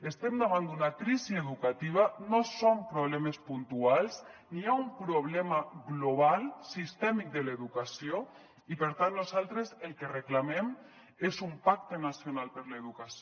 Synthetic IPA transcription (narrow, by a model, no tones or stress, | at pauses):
est̪ɛmd̪aβ̞and̪unakɾizieðukat̪iβ̞anosompɾoβlɛmespunt̪ualˠzniaumpɾoβ̞lɛmaɣloβ̞alˠsist̪ɛmik̚d̪eleðukasio | ipeɾt̪anːozalˠt̪ɾeselˠkereklamem | ezumpak̚t̪enasjonalˠpəɾleðukas